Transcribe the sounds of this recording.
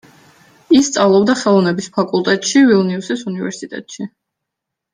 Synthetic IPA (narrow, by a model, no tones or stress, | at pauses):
ist̪sʼavlˠɔbd̪aχɛlˠɔvnɛbispʰakʼulˠt̪ʼɛt̪ʼʃivilˠniusisunivɛ̰ɾsit̪ʼɛ̰t̪ʼʃi